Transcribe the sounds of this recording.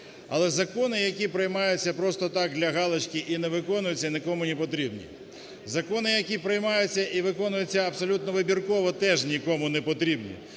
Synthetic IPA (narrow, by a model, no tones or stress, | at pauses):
ɐ̰lˠɛzɐkɔnɪjɐkʲipɾɪjmɑjʊt͡sʲːɐpɾɔst̪ɔt̪ɑk̚d̪lʲɐɦɑlˠɪt͡ʃkʲiʔinɛʋɪkɔnʊjʊt͡sʲːɐnʲɪkɔmʊnʲipɔt̪ɾʲibnʲḭ | zɐkɔnɪjɐkʲipɾɪjmɑjʊt͡sʲːɐʔiʋɪkɔnʊjʊt͡sʲːɐɐbsɔlʲut̪nɔʋɪbʲirkɔʋɔt̪ɛʒnʲikɔmʊnɛpɔt̪ɾʲibnʲḭ